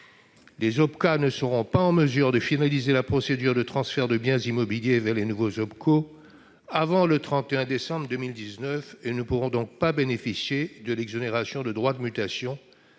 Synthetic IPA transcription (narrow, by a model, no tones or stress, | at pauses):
lezɔpkanəsəʁɔ̃paɑ̃məzyʁd̪əfinalizelapχɔsed̪yʁd̪ət̪χɑ̃sfɛʁd̪əbjɛ̃zimɔbiljevɛʁlenuvozɔp̚kʰo | avɑ̃lət̪χɑ̃t̪eɛ̃d̪esɑ̃bʁd̪əmild̪iznœfenupuʁɔ̃d̪ɔ̃k̚pabenefisjed̪əlɛɡzɔneʁasjɔ̃d̪əd̪ʁwad̪əmyt̪asjɔ̃